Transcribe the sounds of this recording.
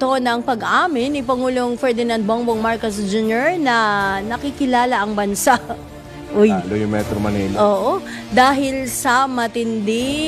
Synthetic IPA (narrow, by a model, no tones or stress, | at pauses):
t̪o̞nɐŋpɐɡʔaːmɪnːɪpɐŋuːloŋfɛɹd̪ɪnɐnd̪̚boŋboŋmaɹkosd͡ʒunoɹnɐnɐkɪkɪlaːlɐʔɐŋbɐnsaʔ | ʔʊjlojʊmɛt̪ɾomɐnilʔoːʔo | d̪aːɦɪlsɐmɐt̪ɪnd̪ɪ